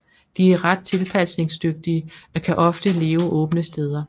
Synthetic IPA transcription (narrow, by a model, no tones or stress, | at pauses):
d̥iæɐʁɑ̈d̥̚t͡sʰe̝lpʰæsne̝ŋsd̥øɡ̥̚d̥iəɒ̽kʰæʔɒ̽fd̥əle̝ːʊʔɔ̽ːb̥ənəsd̥eːð̞ˠɐ